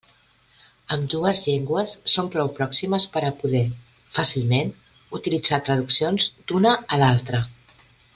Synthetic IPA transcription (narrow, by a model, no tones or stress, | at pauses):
əmd̪uəzʎeŋɡwəsːompɾɔwpɾɔksiməspəɾəpuðɛ | fasilˠmen | ut̪ilid͡zat̪ɾəð̞uksionzd̪unəːlalˠt̪ɾə